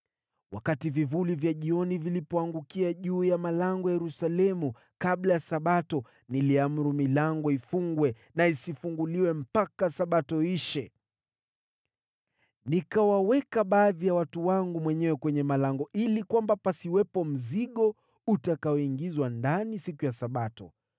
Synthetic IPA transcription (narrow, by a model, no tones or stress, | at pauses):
wa̰kativivulivjaʄiɔnivilipɔaŋɡukiaʄuːjamalaŋɡɔjajɛɾusalɛmu | kaɓlajasaɓatɔ | niliam̩ɾumilaŋɡɔifuŋɡwɛ | naisifuŋɡuliwɛm̩pakasaɓatɔiʃɛ | nikawawɛkaɓaːðijawatuwaŋɡumwɛɲɛwɛkwɛɲɛmalaŋɡɔʔilikwambapasiwɛpɔm̩ziɠɔ | utakaɔiŋɡizwandanisikujasaɓatɔ